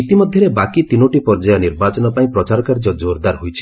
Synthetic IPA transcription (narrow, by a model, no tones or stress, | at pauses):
it̪imɔd̪ʱjɔɾebakit̪inoʈipɔɾd͡ʒajɔniɾbat͡ʃɔnɔpaĩpɾɔt͡ʃaɾɔkaɾd͡ʒɔd͡ʒoɾd̪aɾɦojt͡ʃʰi̥